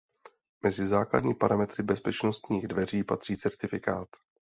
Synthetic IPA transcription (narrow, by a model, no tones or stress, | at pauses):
mɛzɪzaːkla̰dɲiːpaɾamɛt̪rɪbɛspɛt͡ʃno̞st̪ɲiːɣdvɛr̝iːpat̪r̥iːt͡sɛɾt̪ɪfɪkaːt̪